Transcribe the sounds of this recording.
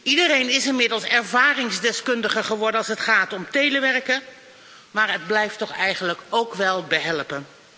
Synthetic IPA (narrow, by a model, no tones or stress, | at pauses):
ʔidəɾejnɪsɪnmɪdəlˠsɛɹvaːrɪŋzdɛskɵndəχəɹχəʋɔɹdənɑlˠsɦətχaːtɔmtejləʋɛɹkə | maːɹəd̚blɛjftɔχɛjχənləkowkʋɛlˠbəɦɛlpən